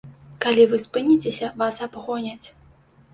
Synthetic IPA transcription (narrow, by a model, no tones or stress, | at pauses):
kalʲivɨspɨnʲit͡sʲesʲɐvasabɣɔnʲɐt͡sʲ